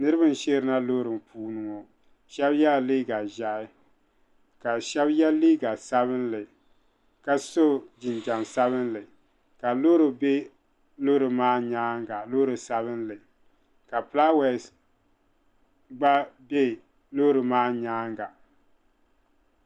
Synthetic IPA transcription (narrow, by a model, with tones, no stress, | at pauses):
nɨ˦ɾɨ˦bɨ˦n˦˨ʃe˦ɾɨ˦na˦lo˦ɾɨ˨m˨pʰuː˦nɨ˨ŋɔ˨ | ʃɛ˦bjɛ˦˨liː˦ɡa˨ʒa˨˦ɪ˦ | ka˨ʃɛ˦bjɛ˦liː˦ɡa˨sa˦βɨ˦nlɨ˨ | ka˦so˦d͡ʒɪ˨nd͡ʒa˨msa˦bɨ˦nlɨ˨ | ka˨lo˦ɾɨ˨be˦ | lo˦ɾɨ˨maː˦ɲaː˦ŋɡa˨lo˦ɾɨ˨sa˦βɨ˦n˦lɨ˨ | ka˨pla˦wɛ˨s | ɡ͡ba˦be˦˨ | lo˦ɾɨ˨maː˦ɲaː˦ŋɡa˨